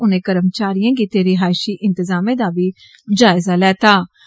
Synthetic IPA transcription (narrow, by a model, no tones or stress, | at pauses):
ʊnẽːkəɾəmt͡ʃaːɾijãːkiːt̪eːɾɪɦaːɪʃiːʔɪ̃nt̪əzaːmẽːd̪aːʋiː | d͡ʒaːɪzaːlɛːt̪aː